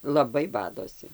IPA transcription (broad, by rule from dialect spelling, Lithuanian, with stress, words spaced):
lˠɐˈbɐɪ ˈbɑːdoːsʲɪ